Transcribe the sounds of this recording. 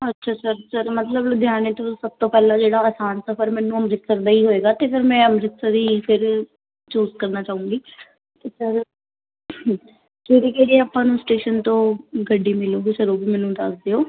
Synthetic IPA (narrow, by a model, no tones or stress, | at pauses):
ətːʃʰaːsəɾsəɾmət̪ləbd̪ʱjaːnet̪õsəb̚t̪õːpɛːlãːd͡ʒeːɽaːəːsaːnsəfʰəɾmɛ̃ːnːũːəmɾɪksəɾd̪aːiːɦoːeːɡaːt̪eːfəɾmɛ̃ːəmɾɪksəɾiːpʰɪɾ | t͡ʃuːzkəɾnaːt͡ʃaːũːɡiː | t̪eːsəɾ | d͡ʒeːɽiːkeːɽiaːpãːnũːsʈeːʃənt̪õːɡəɖːiːmɪlõːɡisəɾoːbiːmɛ̃ːnːũːd̪əsd̪eːoː